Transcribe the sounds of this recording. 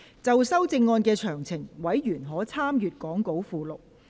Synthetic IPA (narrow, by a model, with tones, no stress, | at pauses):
t͡sɐ˨wsɐ˥wt͡sɪ˧ŋːɔː˧nkɛː˧t͡ʃʰœː˨˩ŋt͡sʰɪ˨˩ŋwɐ˨˥jjyː˨˩nɦɔː˨˥t͡sʰaː˥mjyː˨t̚kɔː˨˥ŋko˨˥wfuː˧lʊ˨k̚